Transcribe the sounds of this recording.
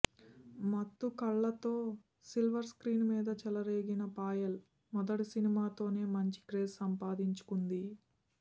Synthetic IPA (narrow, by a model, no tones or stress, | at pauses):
mɐt̪ːukɐɭːɐt̪o̞ː | silʋɐɾskɾiːnmiːd̪ɐt͡ʃɛlɐɾeːɡinɐpaːjɐl | mɔd̪ɐʈisinimaːt̪o̞ːne̞ːmɐɲt͡ʃi̥kɾeːssɐmpaːd̪iɲt͡ʃu̥kund̪i